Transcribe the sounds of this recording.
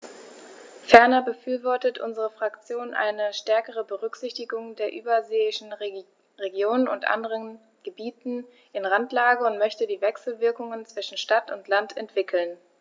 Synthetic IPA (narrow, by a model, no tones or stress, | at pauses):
fɛɐnɐbəfyːɐvɔɐtətʔʊ̰nzəʁəfʁ̥akt͡sjoːnʔa̰ɪnəʃtɛɐkəʁ̞əbəʁʏkz̥ɪçtɪɡʊŋdeːɐʔyːbɐzeːɪʃn̩ | ʁeɡjoːnənʊ̰ntʔa̰ndəʁən | ɡ̥əbiːtn̩ | ʔɪnʁantlaːɡəʊntmœçtədiːvɛksl̩vɪɐkʊŋənt͡sv̥ɪʃn̩ʃtatʊntlantʰɛntv̥ɪkʰl̩n